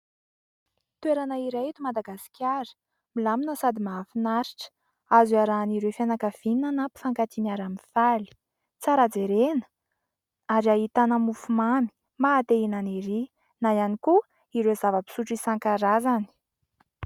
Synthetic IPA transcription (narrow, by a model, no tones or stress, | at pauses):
t̪weɾanəiɾeit̪umad̪aɡasi̥kʲaɾə̥ | milaminəsad̪imaafinaɾiʈ͡ʂə̥ | azuaɾaːniɾefanakəv̥ininanapi̥faŋkat̪inaɾaminfali̥ | t͡saɾad͡zeɾenə̥ | aɾaɦit̪anəmufumami̥ | maːt̪einaniɾi | najaniku | iɾezavəbi̥suʈ͡ʂisaŋkaɾazani̥